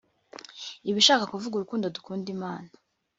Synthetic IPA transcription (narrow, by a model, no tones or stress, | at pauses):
iβiʃaːkakuvuɡuɾukuːndodukuːndimaːna